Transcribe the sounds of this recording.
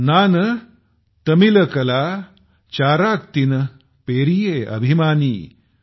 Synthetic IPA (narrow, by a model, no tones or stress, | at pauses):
naːnɐ | t̪ɐmilɐkɐlaː | t͡ɕaːɾaːk̚t̪inɐ | peːɾijeɐ̰bʱimaːniː